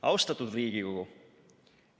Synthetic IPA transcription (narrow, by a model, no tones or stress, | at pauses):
ɑwst̪ɑt̪ːud̪riːɡikoɡ̥u